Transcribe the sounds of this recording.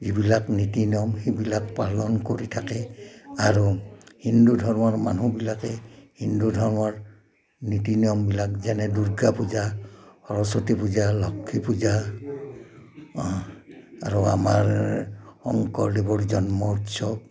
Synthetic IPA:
zibilaknitinijɔmhibilak̚palɔnkoɹitʰakɛaɹuhindudʱɔɹmɔɹmanubilakɛhindudʱɔɹmɔɹ | nitinijɔmbilak̚zanɛduɹɡapuzahɔɹɔsɔtipuzalɔkʰːipuza | a̰ɹua̰maɹhɔŋkɔɹlibɔɹzɔnmɔutsɔb̚

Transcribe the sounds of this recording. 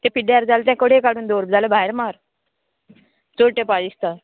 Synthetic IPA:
t̪ẽpiɖaɾd͡zalt̪ɛ̃koɽekaɽuːnd̪oɾbd͡zalebʱaɦeɾmaɾ | d͡zoɾʈepad͡ʒist̪aɾ

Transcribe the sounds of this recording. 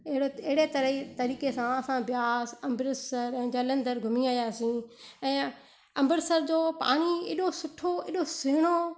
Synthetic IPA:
eɦɽɪɦɪɽet̪ɐɾɦit̪ɐɾiːkesãɐsãbjaːsɐ̃mbɾɪsəɾɛ̃ːd͡ʑaːlə̃nd̪əɾɡʱʊmiaːjaːsĩːɛ̃ː | ɐ̃mbəɾsəɾd͡ʑoːpa̰ːɽ̃iḛːɗosʊʈʰːoeːɗoseːɽ̃o

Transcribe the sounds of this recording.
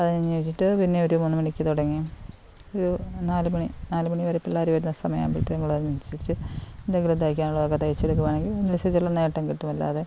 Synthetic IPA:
ɐðɨniɲːɐiʈːiʈːɨpinːe̞oɾumunːumɐɳikʲːɨt̪uɽɐŋːijm | oɾunaːlɨmɐɳinaːlɨmɐɳiʋɐɾɐpːiɭːaːɾiʋɐɾunːɐsɐmɐja̰ːmpḭʈːɨnɐmːɐɭɐɐt͡ɕːit͡ɕːɨend̪ɐŋɡilund̪ajikʲːaːnuɭːɐɐkːɐt̪ːɐjit͡ɕːeɽuk̬ːumaːɳe̞ŋɡilonːilset͡ɕːuɭːɐne̞ːʈːɐmkiʈːumɐlːa̰ːðe

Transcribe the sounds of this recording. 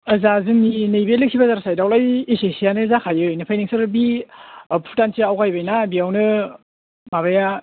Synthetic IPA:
ɐzazɯŋninɯjbelɯk̚sʰibazaɾasajdawlajisesijanɯzakʰajɯojnɯpʰajneŋsɐɾbi | pʰutansiawkʰajbajnabiawnɯ | maβaja

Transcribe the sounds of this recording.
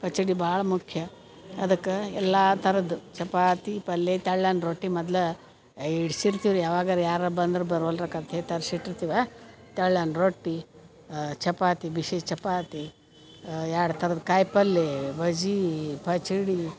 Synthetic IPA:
pɐt͡ʃiɽibaːɭɐmukʰjɐ | ɐd̪ɐkːeɛlːat̪ʰɐɾɐd̪ut͡ʃɐpaːt̪ipɐlːet̪ɐɭːɐnɾoːʈːimɔd̪lɐ | iɽsiɾt̪iʋɾjaːʋaːɡɐɾjaːɾɐbɐnd̪ɾubɐɾuɐlɾɐkaːd̪t̪eːt̪ɐɾsiʈːiɾt̪iʋet̪ɐɭːanɾoːʈːi | t͡ʃɐpaːt̪ibiʃeːʃt͡ʃɐpaːt̪i | jaːɽt̪ʰɐɾɐd̪kaːjpɐlːebɐd͡ʒipʰɐt͡ʃiɽi

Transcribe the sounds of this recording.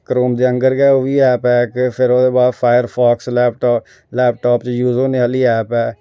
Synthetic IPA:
kəɾoːmd̪eːə̃ŋɡəɾɡɛːoːʋiːɛːpɛːkpʰɪɾod̪eːbaːd̪pʰaːjəɾpʰaːkslɛːpʈː | lɛːp̚ʈɔːpt͡ʃjuːzoːneəliːɛːpɛː

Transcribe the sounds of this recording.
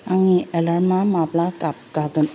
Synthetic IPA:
aŋiɛlanmamaplakap̚kaɡən

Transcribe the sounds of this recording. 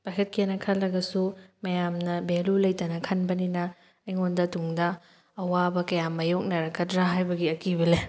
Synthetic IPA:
pakʰɐt̚kʰienɐkʰɐllːɐɡɐsumɐjamnɐbelulɐjtɐnɐkʰɐnbɐninɐː | jŋondɐtuŋdɐː | wabɐkɐjamɐjok̚nɐɾɐkʰɐtɾaɦajbɐɡiɐkibɐle

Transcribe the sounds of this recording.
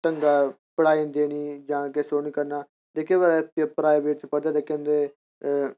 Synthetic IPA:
ʈəŋɡaː | pəɽaːĩnd̪eːniːd͡ʒãːkesoːniːkəɾnaː | t̪eːkeːʋəɾɛpːpɾaːjʋeːʈ̚t͡ʃpəɽd̪aːt̪eːkɛ̃ːnd̪eː

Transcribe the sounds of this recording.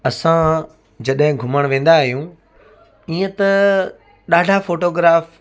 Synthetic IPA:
ɐsã | d͡ʑɐɗɦɪ̃ɡʱʊməɽ̃ʋẽːn̆d̪aːɦijũː | iːə̃t̪ɐ | ɗaːɖʱafoːʈoːɡɾaːf

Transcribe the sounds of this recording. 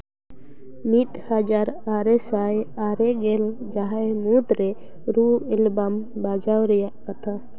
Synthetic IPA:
mit̪had͡ʒaɾaɾɛsajaɾɛɡɛld͡ʒaɦamud̪ɾɛ | ɾuɛlbambad͡ʒawɾɛjaʔkat̪ʰa

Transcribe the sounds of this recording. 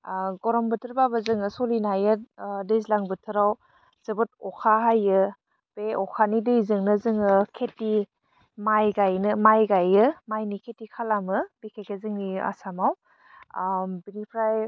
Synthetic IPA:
ɡɔɾɔmbɯtʰɯɾbabɯzɯŋɯsolinajɯt̚dezlaŋbɯtʰɯɾaw | z̥ɯbɯt̚ɔkʰaɦajɯ | beɔkʰanidɯjzɯŋnɯzɯŋɯkʰeti | majɡajnɯmajɡajɯmajnikʰetikʰalamɯbikʰekezɯŋia̰samaw | binipʰɾaj

